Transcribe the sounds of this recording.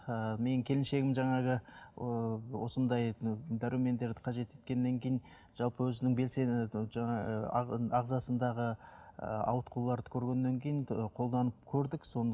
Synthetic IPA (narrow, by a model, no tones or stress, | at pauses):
əme̞nkʲʰe̞lɪnʃe̞ɡʲɪmʒɑɴɑʁə | wo̞sənd̪ɑjd̪æɾume̞nd̪e̞ɾd̪ɪqʰɑʒe̞t̪e̞t̪̚kʲe̞nːe̞ŋkʲʰe̞jɪn | ʒ̥ɑlˠpəwɵzɪnɪŋbe̞lseʒɑɴɑ̰ | ɑʁzɑsənd̪ɑʁə | ɑ̰wət̪qʰulˠɑɾd̪ə̥kʲʰɵɾɡʲe̞nːe̞ŋkʲʰe̞jɪnqʰo̞lˠd̪ɑnəp̚kʲʰɵɾd̪ɪkso̞nd̪